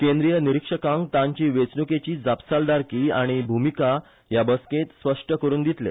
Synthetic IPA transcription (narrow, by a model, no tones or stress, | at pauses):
kẽnd̪ɾijəniɾikʂəkãŋkt̪ãɲt͡ɕiːʋet͡snuket͡ɕiːd͡zapsald̪aɾkiːaɽ̃ibʱumika | jabəskẽt̪spəʂʈəkəɾuːnd̪it̪lḛ